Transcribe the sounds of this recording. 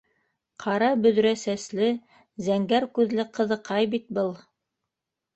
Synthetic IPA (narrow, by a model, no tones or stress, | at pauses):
qʰɑɾɑbɵ̆ðɾæsæslɘ | zæŋɡæɾkʉðlɘqɤ̆ðɤ̆qɑjbit̪̚bɤlˠ